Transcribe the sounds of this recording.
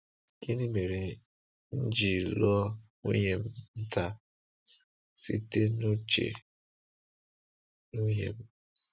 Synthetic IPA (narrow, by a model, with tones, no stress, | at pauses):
ki˦nĩ˦me˨ɾi˨ | n̩˦d͡ʒi˦˨lɔ˦ | ṵ˦je˦m̩˨n̩˦ta˦ | sḭ˦te˦no˦t͡ʃḛ˨ | nu˦je˨m̩˨